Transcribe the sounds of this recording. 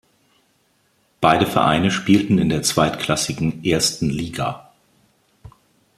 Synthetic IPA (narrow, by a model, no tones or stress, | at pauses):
b̥aɪɾəfɛɐʔa̰ɪnəʃpiːltn̩ɪ̰ndeːɐt͡sv̥aɪtkʰl̥asɪɡŋ̩ʔeːɐstn̩liːɡa̰